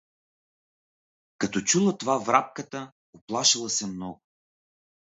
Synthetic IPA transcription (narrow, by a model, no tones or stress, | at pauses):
kɐt̪ɔt͡ʃulˠət̪ovavɾap̚kət̪ə | oplˠaʃəlˠəsɛmnɔɡʊ